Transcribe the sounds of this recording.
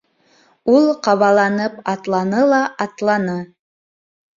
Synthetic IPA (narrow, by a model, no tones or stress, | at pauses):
ulˠqɑβɑlˠɑnɤpɑt̪lˠɑnɤlˠɑʔɑt̪lˠɑnɤ